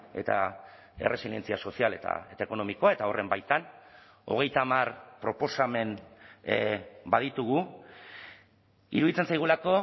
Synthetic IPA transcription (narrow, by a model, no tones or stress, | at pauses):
e̞̰t̪a̰ | e̞̰re̞silie̞nt͡siaso̞siale̞t̪a̰et̪aeko̞no̞miko̞ae̞t̪ao̞rʔe̞mbajt̪an | o̞̰ɣ̞e̞jt̪aːmarpɾo̞po̞same̞n | baðit̪uɣ̞u | ḭɾuðit͡sensajɣ̞ulako̞